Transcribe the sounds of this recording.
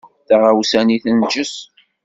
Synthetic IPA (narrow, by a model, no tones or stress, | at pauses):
θaʁawsæniθənd͡ʒəs